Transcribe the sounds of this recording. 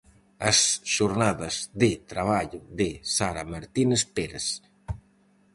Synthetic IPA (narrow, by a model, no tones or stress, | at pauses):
asʃoɾnaðazðɪt̪ɾaβ̞aʎʊðesaɾamaɾt̪inespeɾes